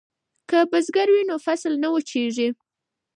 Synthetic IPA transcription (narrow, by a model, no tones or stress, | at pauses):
kəbəzɡaɾwinofaslnawət͡ʃeʐi